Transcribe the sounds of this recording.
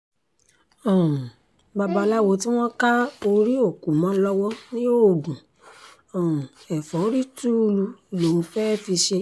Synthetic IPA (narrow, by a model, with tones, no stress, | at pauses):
ɔ̃˨ũ˨ | ba˧ba˧la˦wo˧ti˦w̃ɔ̃˦ka˦o˧ɾi˦o˦˨ku˨mɔ̃˨˦lɔ˦wɔ˦nĩ˦jo˦˨ɡũ˨ | ɔ̃˨ũ˨ɛ˨fɔ˨˦ɾi˦tu˦˧lu˧˨lo˨ũ˧fɛ˦fi˧ʃe˧